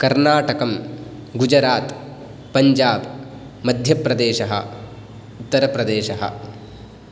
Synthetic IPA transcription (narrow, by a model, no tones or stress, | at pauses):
kɐɾnaːʈɐkɐm | ɡud͡ʒɾaːt̪ | pɐɲd͡ʒaːb | mɐd̪ʱjɐpɾɐd̪eːʃɐɦɐ̰ | ut̪ːɐɾɐpɾɐd̪eːʃɐɦɐ̰